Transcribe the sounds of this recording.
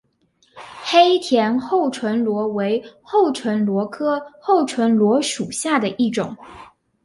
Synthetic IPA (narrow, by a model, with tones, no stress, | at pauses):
xe˥ɪt̪ʰjɛ˧˥nxo˥˩ʊʈ͡ʂʰwə˧˥nlwɔ˧˥we˧˥ɪxo˥˩ʊʈ͡ʂʰwə˧˥nlwɔ˧˥kʰɤ˥xo˥˩ʊʈ͡ʂʰwə˧˥nlwɔ˧˥ʂu˨˩ɕja˥˩d̪ə˩ʔi˥˩ʈ͡ʂʊ̰˨˩˦ŋ